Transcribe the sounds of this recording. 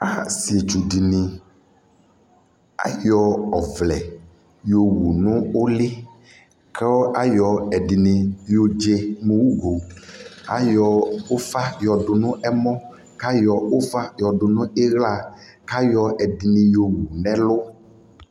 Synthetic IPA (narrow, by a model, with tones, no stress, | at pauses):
a˦si˨e˨d͡ʒu˨ɖi˨nĩ˨ | a̰˦jɔ˨ɔ˨vlɛ˨ | jo˨wu˨nũ˦o˦lɪ˦ | kɛ˦wɔ˦ʔa˦jɔ˨ɛ˨ɖi˨nĩ˨jo˨d͡ʒe˦mu˨˦wu˦ɡo˨ | a̰˦jɔ˨o˦fa˦jɔ˨ɖʊ˨nũ˦ʔɛ˦mɔ̃˦ | ka˦jɔ˨o˦fa˦jɔ˨ɖʊ˨nũ˦e˦ɣla˨ | ka˦jɔ˨ɛ˨di˨nĩ˨jo˨wu˨nɛ̃˦lʊ˦